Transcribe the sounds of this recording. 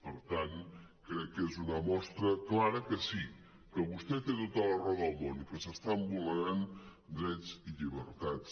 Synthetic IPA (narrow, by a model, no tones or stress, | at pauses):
pəɾt̪an | kɾɛkːezunəmɔst̪ɾəklaɾəkəsi | kəβust̪ɛt̪et̪ot̪ələrɔðəlˠmonikəsəst̪aəmbuləɾan | d̪ɾɛt͡siʎiβəɾt̪att͡s